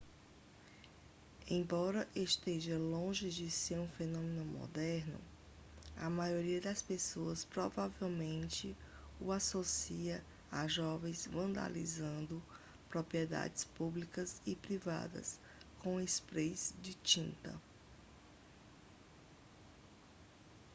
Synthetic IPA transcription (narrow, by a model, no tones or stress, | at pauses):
ẽj̃bɔɾɐʔeʃt̪eʒɐlõʒɪd͡ʒɪseɾũfenõmẽnʊmɔ̰d̪ɛɾnʊ̰ | ɐmajoɾiɐd̪ɐspesoɐspɾɔvavewmẽnt͡ʃɪ | uasosiɐ | aʒɔvẽj̃zvɐ̃nd̪a̰lḭzɐ̃nd̪ʊ | pɾopɾiɛd̪a̰d͡ʒɪspublikɐzɪpɾiva̰d̪ɐ̰s | kõw̃espɾejzd͡ʒɪt͡ʃĩnt̪ɐ̰